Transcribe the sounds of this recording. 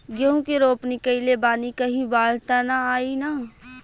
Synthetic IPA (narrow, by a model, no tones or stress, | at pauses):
ɡeɦũkeɾoːpnikəilebaːnikɐɦĩbaːlt̪anaaːina